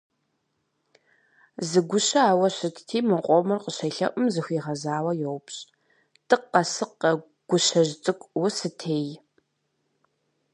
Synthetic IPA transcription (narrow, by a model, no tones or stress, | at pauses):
zɨɡʷʊɕɐaːwɐɕɨtʰtʰiːmɨqʷʼɔmɨrqəɕɐjɬɐ̰ʔʷʼʊmzɨxʷiːʁɐzaːwɐjowpɕʼ | tʰʼɨqːɐsɨqːɐ | ɡ̥ʷʊɕɐʑt͡sʼɨkʷʼwʊsɨtʰeːj